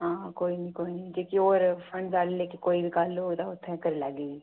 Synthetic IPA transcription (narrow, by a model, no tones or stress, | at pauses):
ɦãːkoːinĩːkoːinĩːd͡ʒeːkioːɾpʰəɳzaːleleːkekoːiːbiːkaːloːd̪aːʊt̪ʰːɛ̃ːkəɾeːlaːɡeːɡiː